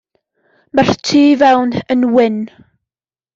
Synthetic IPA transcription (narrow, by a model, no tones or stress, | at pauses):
mar̥tʰiːvɛwnənwɪn